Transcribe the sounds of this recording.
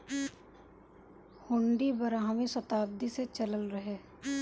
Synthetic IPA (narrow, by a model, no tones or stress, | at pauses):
hʊ̃ɳɖibɐɾaːɦmisɐt̪aːb̚d̪iset͡ʃɐləlɾɐɦeː